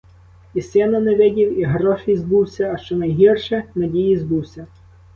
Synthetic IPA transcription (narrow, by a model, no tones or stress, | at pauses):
isɛnɐneʋʲɛdʲiwiɦɾɔʃizbuwsʲɐːʃt͡ʃɔnɐjɦirʃɛnɐdʲijizbuwsʲɐ